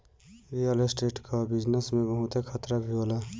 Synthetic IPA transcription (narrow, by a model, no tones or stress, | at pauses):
ɾijəlesʈeːʈkabɪd͡ʒnəsmẽbəɦʊt̪ekʰət̪ɾabʱioːlaː